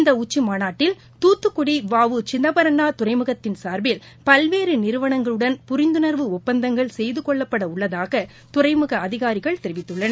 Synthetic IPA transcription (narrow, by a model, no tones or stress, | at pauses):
nd̪ɐʊt͡ʃːimaːnaːʈːɪl | t̪uːt̪ːɯkːʊɽiʋaːʋɯt͡ʃɪnːɐbɐɾɐɳːaːt̪ʊɾɐɪmɯɣɐt̪ːɪnsaːɾbɪl | pɐlʋeːɾɯnɪɾɯʋɐɳɐŋɡɐɭɯɽɐnpʊɾɪnd̪ɯnɐɾʋɯʊpːɐnd̪ɐŋɡɐɭsɛjðɯkɔɭːɐpːɐɽɐʊɭːɐðaːɣɐ | t̪ʊrɐɪmɯɣɐɐðɪɣaːɾɪɣɐɭt̪ɛɾɪʋɪt̪ːɯɭːɐnɐ